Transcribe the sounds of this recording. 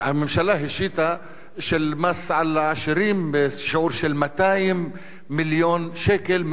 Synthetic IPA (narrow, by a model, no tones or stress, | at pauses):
ʕamɪmʃalaɦɪʃiːt̪a | ʃɪlmasːʕalaʕɪʃɾiːmbɪsʃʕuːɾʃɪlmat̪aːjɪmː | ɪljoːnʃeːkɪlm